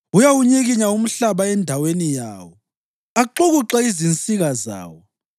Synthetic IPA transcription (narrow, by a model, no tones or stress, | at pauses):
ujawuɲeɣiɲaum̩ɬaβaɛndʱawenija̰ːwɔ | aǃuɣuǁɛizint͡sʼiɣaza̰ːwɔ